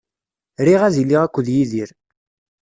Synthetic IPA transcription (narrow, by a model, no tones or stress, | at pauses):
ɾiʁæðiliʁækʷːəðjiðiɾ